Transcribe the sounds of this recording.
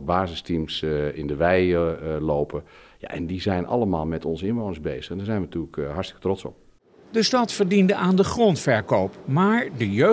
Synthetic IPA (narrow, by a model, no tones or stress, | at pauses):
baːzəstimsɪndəʋɛjloːpʰəja̰ʔɛ̰ndizɛjnʔɑ̰lˠəmaːlˠmɛtɔnzəɪnʋoːnəszbejz̥əxɛndaɹzɛjnʋənətyːələkɦaɹstɪ̥kə̥trɔtsɔ̰p | dəstɑtfəɹdindəʔaːndəχrɔntfɛɹkowpmaːɹdəjø